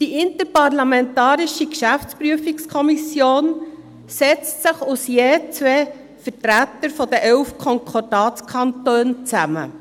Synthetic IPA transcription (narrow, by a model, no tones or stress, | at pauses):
d̥iʔɪntəɾpɑrlɑmɛntɑːɾɪʃikʃæft͡spɾyəfɪkskʰɔmisjoːn | sɛt͡stsɪχusjeːt͡sʋeː | fətɾætəɾfɔdəʔɛʊfkʰɔŋkʰɔrd̥ɑːt͡skʰɑntøːnt͡sæmə̰